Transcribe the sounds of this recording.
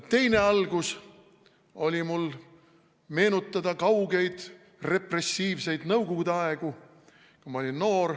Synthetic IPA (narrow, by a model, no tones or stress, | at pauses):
t̪e̞jne̞ɑlɡ̥us | o̞lʲimul | me̞ːnut̪ːˑɑd̪ɑkɑwɡe̞jd̪̥ | re̞pre̞sːiːvse̞jd̪̥nɤwɡ̥oɡud̪eɑeɡ̥u | kumɑo̞lʲinno̞ːɾ